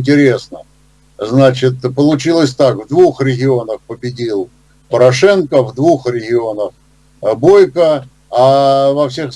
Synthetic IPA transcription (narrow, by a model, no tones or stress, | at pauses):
nʲtʲɪɾʲe̞snə̰ | znat͡ɕɪt̪pəlˠʊt͡ɕilˠəsʲt̪akvd̪vuxɾʲɪɡʲɪo̞nəxpəbʲɪdʲilˠ | pəɾɐʂɛnkəvd̪vuxrʲɪɡʲɪo̞nəx | bo̞jkə | avɐfsʲe̞x